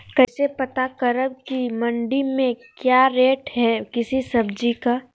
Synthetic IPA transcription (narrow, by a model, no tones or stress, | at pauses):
kɛːsepɐt̪akəɾəbkimɐ̃ɳɖimẽkjaːɾeːʈɦɛkɪsisɐbd͡ʒikaː